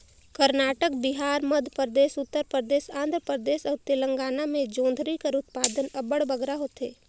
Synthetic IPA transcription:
kəɾnaːʈək̚bɪɦaːɾməd̪ʱpɾəd̪eːsʊt̪ːəɾpɾəd̪eːsãːnd̪ʱɾəpɾəd̪eːsɔːɾt̪ɪlə̃ŋɡaːnamẽd͡ʒõːnd̪ʱɾikəɾʊt̪̚paːd̪ənɐbəɽbəɡɾaɦoːt̪eː

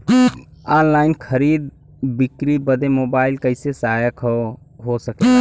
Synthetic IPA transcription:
aːnlaːɪnkʰəɾiːd̪̚ | bɪkɾiːbəd̪emoːbaːɪlkəɪsesaajəkʰo | ɦosəke

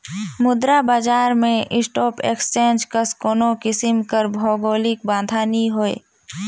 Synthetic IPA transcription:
mʊd̪ɾabaːd͡ʒaːɾmẽɪsʈɔːpḛːkst͡ʃẽːnd͡ʒkəskoːnõkɪsɪmkəɾbʱɔːɡoːlɪk̚bãːnd̪ʱaːniɦoːḛː

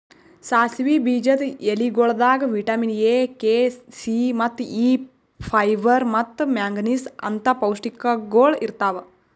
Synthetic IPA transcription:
saːsʋiːbiːd͡ʒɐt̪eliɡoːɭɐd̪aːɡɐʋiʈɐːminjeːkeːsimɐt̪ːiː | pʰɐjʋɐɾmɐt̪ːmaːŋɡnisɐ̰nt̪ɐpɐwʂʈikːɐɡoːɭiɾt̪aːʋɐ

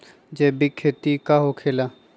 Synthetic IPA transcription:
d͡ʒebikʰːeːt̪ikaɦokʰeːla

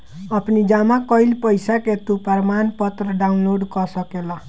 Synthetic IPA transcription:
ʌpnid͡zamakʌjlpʌjsaket̪upʌɾmanpʌt̪ɾʌɖaunloɽkʌsʌkela

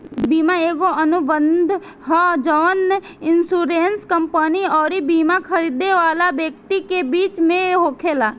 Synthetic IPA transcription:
biːmaeːɡoənʊbənd̪ʱ | ɦɔd͡ʒɔːn | ɪnsuːɾeːnskəmpəniɔːɾibiːmakʰəɾiːd̪eʋaːlabjək̚t̪ikebiːt͡ʃmẽɦoːkʰeːlaː

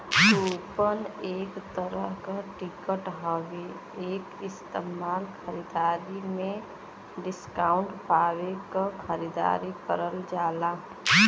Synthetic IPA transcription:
upəneːkt̪əɾəɦkaʈikəʈɦəʋe | eːkɪst̪emaːlkʰəɾid̪aɾimẽ | ɖɪskaːʊɳʈpaːwekakʰəɾid̪a̰ɾikəɾəld͡ʒaːla

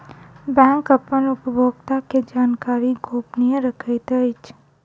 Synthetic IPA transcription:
bɛ̃ŋkəpənʊpəbʱoɡt̪aked͡ʒaːnkaɾiɡʱopniəɾəkʰajt̪əjt͡ʃʰ

